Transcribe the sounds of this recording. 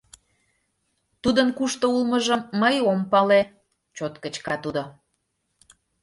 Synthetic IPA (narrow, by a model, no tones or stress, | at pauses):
t̪ud̪ənkuʃt̪oulməʒəmːəjompɑle | t͡ɕot̪kə̆t͡ɕkɑt̪ud̪o